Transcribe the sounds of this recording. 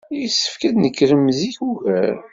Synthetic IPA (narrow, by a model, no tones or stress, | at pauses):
jisːə̥fkæd̪nəkːɾəmziçuvæɾ